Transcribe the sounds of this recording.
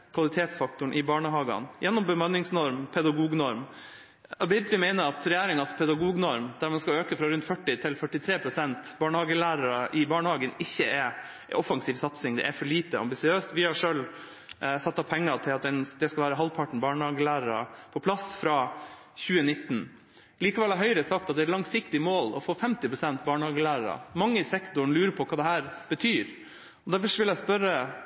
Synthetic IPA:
kʰʋɑlɪt̪ʰeːt̪sfɑk̚t̪ʊɳʔɪbɑːɳəɦɑːɡɑ̰njʔɛnːɔmbəmɑnːɪŋsnɔɾmpʰɛd̪ɑɡuːɡnɔɾm | ɑbɪd̪ɾɪmæɪnəɾɑt̪ɾɛjæːɾɪŋɑspʰɛd̪ɑɡuːɡnɔɾmd̪̥æɾmɑnskɑøːkəfɾɑɾʉnt̪fœʈːɪt̪ʰɪlfœʈɪt̪ʰɾeːpʰɾʊsɛnt̪bɑːɳəhɑːɡəlæːɾɑɾəʔɪbɑːɳəhɑːɡənɪçːəɛɾ | ɔfɑŋsiːʋsɑt̪sɪŋd̪ɛ̰ʔɛfɔɭiːt̪əɑ̰mbɪsɪøːst̪ʋɪhɑʂøːl | sɑt̪ːɑpʰɛŋːɑt̪ʰɪlɑt̪̚d̪ɛnd̪ɛskɑʋæːɾəɦɑlpʰɑʈɳ̩bɑːɳəhɑːɡəlæːɾəɾɑ̰pʰɔpʰlɑsfɾɑː | çʉːənɪt̪ːn | liːkɑʋɛlːɑɦœʏɾəsɑk̚t̪ɑt̪̚d̪ɛːɾlɑŋsɪkt̪ɪəmoːlɔfoːfɛmt̪ɪpʰɾʊsɛnt̪bɑːɳhɑːɡəlæːɾəɾɑ̰mɑŋːəɪsɛkt̪ʊɳlʉːɾəpʰɔkʰɑːd̪ɛhæːɾb̥ət̪ʰyːɾ | ɔd̪æɾfɔʂʋɪlæɪspœɾə

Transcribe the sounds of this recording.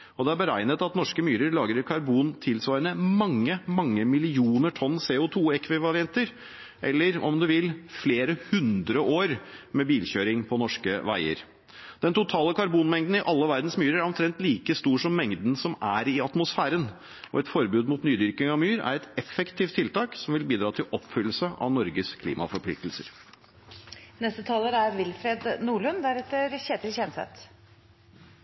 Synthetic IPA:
ɔd̪ɛæbəɾæɪnət̪ɑt̪nɔʂkəmyːɾəɾɭɑːɡɾəɾkʰɑɾbuːnt̪ʰɪlsʋɑːɾənəmɑŋːəmɑŋːəmɪlɪuːnəʈʰɔnːseːʊt̪ʰuːɛkʰʋɪʋɑɾɪɛnt̪əɾ | ʔɛ̰lːəɾɔ̰md̪ʉʋɪlfleːɾəhʉnd̪ɾəʔoːɾmɛbiːlçøːɾɪŋpʰɔnɔʂkə̰ʋæ̰ɪə̰ɾ | d̪̥ɛnt̪ʊt̪ʰɑːləkʰɑɾbuːnmɛŋd̪n̩ɪʔɑlːəʋæɾd̪nsmyːɾəɾæɾɔmt̪ʰɾɛnt̪liːkəst̪uːʂɔmːɛŋd̪nsɔmæɾɪɑt̪mʊsfæːɾən | ʔɔ̰ɛt̪fɔɾbʉːd̪mʊːt̪nyːd̪ʏɾkɪŋɑʋmyːɾæ̰ɾɛt̪ɛfɛkt̪ʰiːft̪ʰːɪlt̪ɑːksɔmʋɪlbiːd̪ɾɑːt̪ʰɪlʔɔpfʏlːəsəʔɑ̰ʋnɔɾɡəskʰlḭːmɑ̰fɔɾpʰlɪ̰k̚t̪əl̩sə̰ɾ | nɛst̪ət̪ʰɑːləɾæɾʋɪlfɾeːd̪nuːɭʉnd̪æɾɛt̪ːəɾçeːt̪əlçɛnsɛ̰t̪

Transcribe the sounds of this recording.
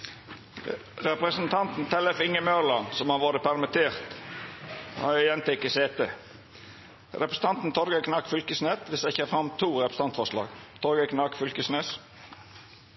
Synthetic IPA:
ʁɛpʁəsn̩t̪ʰɑnt̪n̩t̪ʰɛlɛfɪŋəmøʁlɑnsɔmhɑʋoːd̪əpʰæɾmɪt̪ʰeːʁt̪ | hɑ̰ɛjɛnt̪ɪɪkːəseːt̪e | ɾɛpɾəsn̩ɑnt̪n̩t̪ʰɔɾɡəkʰnɑkfʏlkəsneːt̪ʋɪsd̪æɪçəːfɾɑmt̪ʰuːɾɛpɾəs̩t̪ɑnt̪fɔʁʂlɑ̰ːɡt̪ʰɔɾɡəkʰnɑkfʏlkəsneːs

